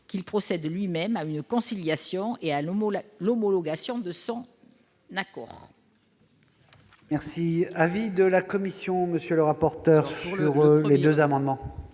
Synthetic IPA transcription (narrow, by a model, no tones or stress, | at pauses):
kʲilpχɔsɛd̪lɥimɛmaynkɔ̃siljasjɔ̃ealɔmɔlɔɡasjɔ̃d̪əsɔ̃ | nakɔ̰ːʁ | mɛʁsiavid̪əlakɔmisjɔ̃məsjøləʁapɔʁt̪œʁsyʁled̪øzamɑ̃d̪mɑ̃